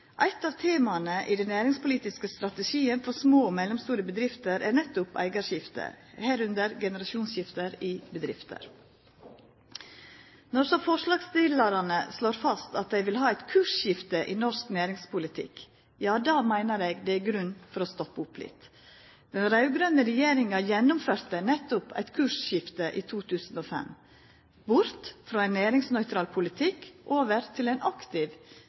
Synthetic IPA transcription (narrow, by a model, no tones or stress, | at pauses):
ʔæɪt̪ɑːʋt̪ʰeːmɑnəʔɪd̪ɛnːæːɾɪŋspʊliːt̪ɪskəst̪ɾɑt̪əʂiːənfɔɾsmoːmɛlɔmst̪uːɾəbəd̪ɾɪft̪əɾʔænɛt̪ːʊpæ̰ɪɡɑʃjɪft̪ə̰hæːɾʉnd̪əɾɡɛnəɾɑʃuːnsjɪft̪əɾɪbəd̪ɾɪft̪ə̰ɾ | nɔɾsɔfɔʂlɑːɡst̪ɪlɑɾɑnəsloːɾfɑst̪ɑt̪̚d̪æɪʋɪlɦɑːæɪt̪kʰʉʂçɪft̪əʔiːnɔsknæːɾɪŋspʊlɪt̪ʰɪ̰k | jɑːd̪ɑːmæɪnəɾeːɡd̪ɛæɡɾʉnːfɔɾoːst̪ɔpːəʊplɪ̰t̪ | d̪̥ɛnɾɑʉɡɾœnəɾɛjeːɾɪŋɑjɛnʊmføːɾt̪ənɛt̪ʊpʰæ̰ɪt̪kʰʉːʂʃɪft̪əʔiːt̪ʰuːt̪ʰʉːsn̩oːfɛ̰m | bʊɾt̪fɾoːæɪnæːɾɪŋsnœʏt̪ɾɑːlpʰʊlɪt̪ʰɪkʔoːʋəɾt̪ʰɪlæɪnɑkt̪ɪʋ